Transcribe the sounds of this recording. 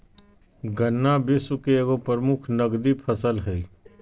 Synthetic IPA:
ɡənːabɪsʊkeeɡopəɾəmʊkʰnəɡd̪ipʰəsəlɦɛiː

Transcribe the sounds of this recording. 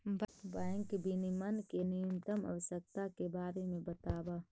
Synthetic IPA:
baːŋkbinimənkenijəmt̪əmɐ̰ʋəʃək̚t̪akebaːɾemẽbət̪aːbaː

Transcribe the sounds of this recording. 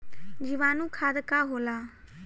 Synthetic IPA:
d͡ʒɪʋaːnũːkʰaːd̪kaːɦoːlaː

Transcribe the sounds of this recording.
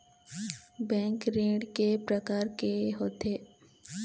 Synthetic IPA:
bɛ̃ːŋkɾẽːɖkepɾəkaːɾkeɦoːt̪eː

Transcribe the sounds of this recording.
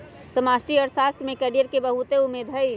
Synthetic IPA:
səmasʈiɔːɾsast̪mẽkɛɽijəɾkebəɦut̪eumːed̪ʱɦəj

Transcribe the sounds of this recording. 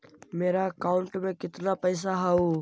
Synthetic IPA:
meːɾaːkaːʊɳʈmẽːkɪt̪naːpəɪs̬aːɦaːuː

